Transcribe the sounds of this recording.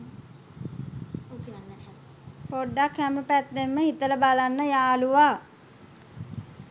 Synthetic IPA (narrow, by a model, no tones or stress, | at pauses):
poɖːakhæməpæt̪ːemːəɦit̪ələbalanːəjaːluʋa